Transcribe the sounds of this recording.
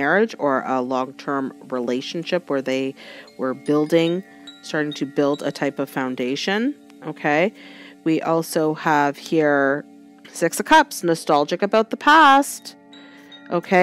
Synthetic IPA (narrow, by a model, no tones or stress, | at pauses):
ɛɹɪd͡ʒə˞ʔəlɔ̃ŋtʰɜ̃˞mɹileɪʃn̩ʃɪpwə˞ðeɪwə˞bɪlˠdɪ̃ŋ | stɑɹɾɪ̃ŋtʰɨbɪlˠdə̰tʰaɪpʌv̥fãʊ̃ndeɪʃɨ̃n | ʔoʊkʰeɪwiʔɔlˠsoʊəv̥hiɹ | sɪksɨkʰʌpsnɨstælˠd͡ʒɨkɨbaʊt̪̚ðəpʰæst | ʔoʊkʰeɪ